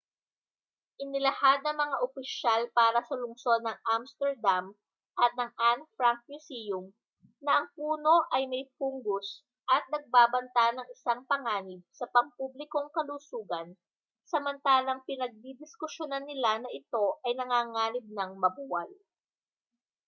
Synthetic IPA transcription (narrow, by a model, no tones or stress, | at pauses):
ʔɪnɪlɐhad̪̚nɐŋmɐŋaʔopɪʃalpaːɾɐsɐlʊŋso̞d̪̚nɐŋʔamst̪ɛɹd̪am | ʔɐt̪̚nɐŋʔanfɾaŋk̚musijʊm | nɐʔɐŋpuːno̞ʔɐjmɐjpuŋɡʊs | ʔɐt̪̚nɐɡ̚baːbɐnt̪anɐŋɪsaŋpɐŋaːnɪb̚sɐpɐŋpublɪko̞ŋkɐlusuːɡɐn | sɐmɐnt̪aːlɐŋpɪnɐɡ̚d̪id̪ɪskʊʃjonanːɪlanɐʔɪt̪o̞ʔɐjnɐŋaːŋaːlɪb̚nɐŋmɐbuːwɐl